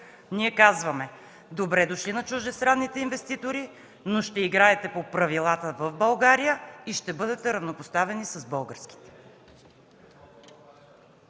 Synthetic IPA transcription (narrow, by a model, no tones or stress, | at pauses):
niɛkazvɐmɛ | d̪obɾɛd̪oʃlinɐt͡ʃuʒd̪ɛst̪ɾanːit̪ɛinvɛst̪it̪oɾi | noʃt̪ɛiɡɾaɛt̪ɛpopɾɐvilˠat̪əvəvbɐlˠɡaɾijəiʃt̪ɛbɤd̪ɛt̪ɛɾɐvnopost̪avɛnisɐzbɤlˠɡəɾski̥t̪ɛ̥